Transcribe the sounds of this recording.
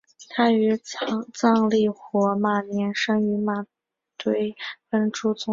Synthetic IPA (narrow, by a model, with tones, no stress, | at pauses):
t̪ʰa˥y˧˥˧t͡sɑ˥˧ŋli˥˩xwɔ˧˥ma˧˨˩njɛ˧˥nʂɤ˥ŋy˧˥ma˧˩ | t̪we˧˥ɪfə˥nʈ͡ʂu˥t͡sʊ˧˥